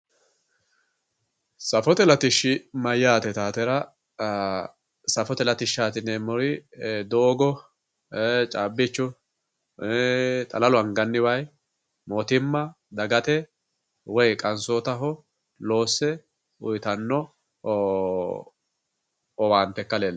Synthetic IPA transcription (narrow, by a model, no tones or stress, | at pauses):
sɐfɔt̪ɛlɐt̪ɪʃːɪmɐjːaːt̪ɛt̪aːt̪ɛɾɐ | sɐfɔt̪ɛlɐt̪ɪʃːaːt̪ɪnɛmɔɾɪd̪oːɡɔ | t͡ʃʼaːbːɪt͡ʃːʊ | t̪ʼɐlɐlʊɐŋɡɐnːɪwɐj | mot̪ɪmːɐ | d̪ɐɡɐt̪ɛ | wɔjkʼɐnsoːt̪ɐɦɔ | lo̞ːsːɛ | ʊjt̪ɐnːɔ | ɔwaːnt̪ɛkːɐlel